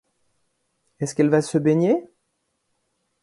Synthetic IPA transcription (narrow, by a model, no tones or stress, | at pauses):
ɛskɛlvasəbeɲe